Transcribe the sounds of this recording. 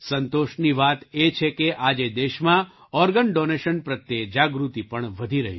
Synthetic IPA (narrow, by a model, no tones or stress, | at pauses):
sənt̪oʃniʋat̪et͡ʃʰekeʔad͡ʒed̪eʃmã | ɔɾɡənɖoneʃənpɾət̪jed͡ʒaɡɾut̪ipəɳʋəd̪ʱiɾəɦi